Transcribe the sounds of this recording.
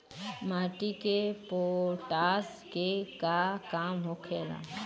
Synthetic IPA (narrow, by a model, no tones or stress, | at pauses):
maːʈikepoʈaːs | kekakaːmɦokʰeːla̰ː